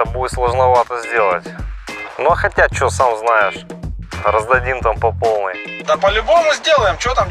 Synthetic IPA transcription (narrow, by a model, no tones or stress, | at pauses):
əbuɪt̪slˠəʐnɐvat̪əzʲdʲe̞lˠə̰tʲnoxɐtʲat̪̚t͡ɕɪosamznajɪʂ | rəzd̪ɐdʲimt̪ampɐpo̞lˠnɨjd̪ɐpɐlʲʊbommʊzʲdʲelˠəjɪmt͡ɕɪʋot̪am